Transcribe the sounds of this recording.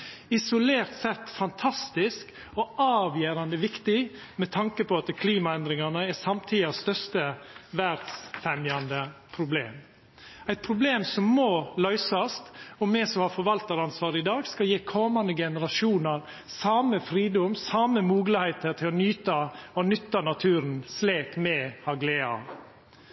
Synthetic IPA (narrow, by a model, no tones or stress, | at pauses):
ɪsʊleːɾt̪sɛt̪ːfɑnt̪ʰɑst̪ɪsk | ɔʔɑːʋjeːɾɑnd̪əʋɪkt̪ɪ | mɛt̪ʰɑŋkəpɔɑt̪kʰliːmɑɛnd̪ɾɪŋɑnəɛsɑmt̪ʰiːɪɑst̪œɾst̪əʋæɾd̪sfɛmjɑnd̪əpʰɾʊbleːm | æɪt̪̚pʰɾʊbleːmsɔmːɔːlœʏsɑst̪ɔmːɛsɔmhɑfɔɾʋɑlt̪ɑɾɑnsʋɑːɾəɪd̪ɑːɡskɑljiːkʰɔmɑnd̪əɡɛnəɾɑʃuːnəɾ | sɑːməfɾiːd̪ɔmsɑːməmuːɡləhɛɪt̪əɾt̪ʰɪlɔnyːt̪ɑɔnʏt̪ːɑnɑt̪ʰʉːɾnsleːkmɛhɑɡleːɑ̰